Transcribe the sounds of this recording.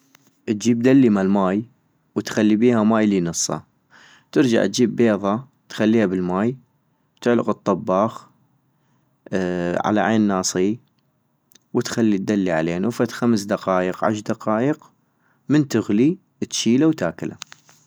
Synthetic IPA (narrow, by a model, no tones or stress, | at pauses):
ʔt̪̚d͡ʒiːb̚d̪alːimalmaːj | wt̪xalːibiːhamaːjlinɨsˤːɑ̰ | t̪ɪɾd͡ʒa̰ʕt̪̚d͡ʒiːbːeːðˤɑ | t̪xalːiːhabɪlmaːj | t̪ɪʕlɪqɨt̪ˤːɑbːɑːx | ʕa̰la̰ʕeːnːɑːsˤi | wət̪xalːit̪̚d̪alːiʕa̰leːnufat̪xamsd̪aqɑːjəqʕa̰ʃ̬d̪aqɑːjəq | mənt̪ʊɣli | t̪ʃiːlawt̪aːkɪla̰